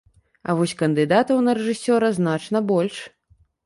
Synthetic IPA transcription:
ɐ̰vɔsʲkɐnd̪ɨd̪at̪ɐwnɐɾɛʐɨsʲɔɾɐznat͡ʂnɐbɔlʲʂ

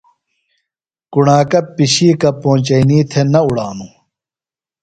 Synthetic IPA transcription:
kuɳaːkɐpːiɕiːkɐpõːt͡ɕɐiniːt̪ʰenɐuɽaːnu

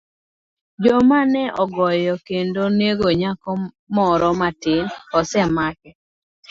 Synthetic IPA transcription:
d͡ʒɔmanɛʔɔɡɔjɔkendoneɡoɲakɔ | mɔɾɔmatɪnɔsɛmakɛ

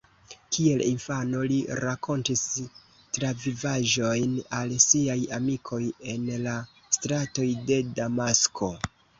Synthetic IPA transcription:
kʰie̞linfano̞liɾakʰo̞ntis | tɾavivaʒo̞jnalsiajamikʰo̞je̞nla | stɾato̞jde̞damaskʰo̞

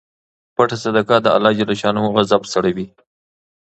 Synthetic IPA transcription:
paʈasad̪akad̪əa̰lːɑd͡ʒalaʃɑnoɣazabsaɽawi

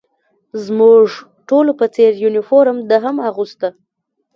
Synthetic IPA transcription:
zmuʐ | ʈolopət͡seɾjunɪfoɾəmd̪əɦamaɣust̪ə

